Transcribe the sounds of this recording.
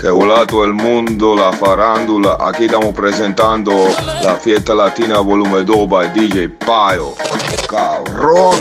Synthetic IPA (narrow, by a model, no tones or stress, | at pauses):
kɛulaːt̪oelmund̪olafaɾand̪ulaa̰kit̪amupɾɛzɛnt̪and̪olafjɛt̪ːalat̪iːnavolumed̪obad̪it͡ʃepajokaɾo